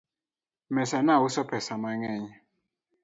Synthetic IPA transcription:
mɛsanawusɔpʰɛsamaŋɛɲɛ

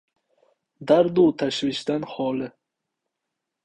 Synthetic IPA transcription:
d̪aɾd̪ut̪ʰaʃviʃd̪anχɔlɪ

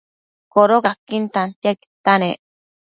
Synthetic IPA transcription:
koɾokakːint̪ant̪jaki̥t̪anḛ

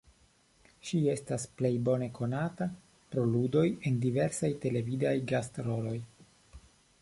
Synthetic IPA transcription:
ʃie̞stasple̞jbo̞ne̞kʰo̞nata | pɾo̞ludo̞je̞ndive̞ɾsajte̞le̞vidajɡastɾo̞lo̞j

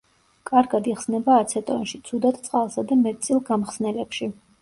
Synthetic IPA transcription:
kʼaɾɡad̪iχsnɛbaːt̪sʰɛt̪ʼɔnʃit̪sʰud̪at̪̚ʰt̪sʼqʼalˠsad̪amɛt̪t̪sʼilˠɡamχsnɛlɛpʃi

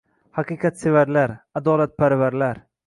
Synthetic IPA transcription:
haqɨqʰɑt̪sevaɾlaɾad̪ɒlat̪̚pʰaɾvaɾlaɾ

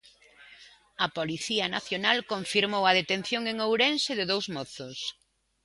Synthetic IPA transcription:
ɐpoliθiɐnaθjonalkoɱfiɾmowɐð̞et̪en̟θjoŋeŋowɾensɪðɪðowzmɔθʊs

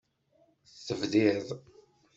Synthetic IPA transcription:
θθəvðiðˤ

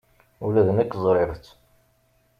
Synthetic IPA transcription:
ulæðənækːzˤɾˤeɾt͡s

